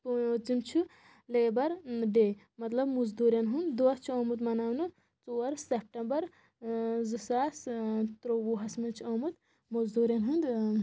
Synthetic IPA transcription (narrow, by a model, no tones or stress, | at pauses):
puot̪zimt͡ʃʰu | leːbɐɾɖeː | mɐt̪lɐbmuzd̪uːɾjɐnɦund̪d̪oɐst͡ʃʰuɐːmut̪mɐnaːwnɨ | t͡soːɐɾsep̚ʈɐmbɐɾ | zɨsaːst̪ɾowuːɦɐsmɨnt͡ʃʰiomut̪ | muzd̪uːɾjɐnɦund̪